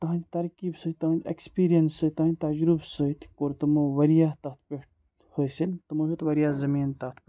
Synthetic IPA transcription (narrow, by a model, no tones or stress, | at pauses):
t̪ɐɦãnd͡ʒt̪ɐɾkiːbsət̪ɐɦãnd͡ʒḛkspiːɾijɐnsət̪ɐɦãnd͡ʒʲt̪ɐd͡ʒɾubsət̪ʰkoːɾt̪ɐmoʋɐɾijat̪ɐt̪̚ʰpeʈ | hosilt̪ɐmusut̪ʋɐɾijaːzɐmiːnt̪ɐt̪ʰpʲ